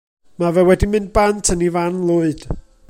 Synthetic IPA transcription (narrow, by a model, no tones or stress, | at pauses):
mavɛwɛdimɨnd̚bantʰənivanlˠʊɨd̥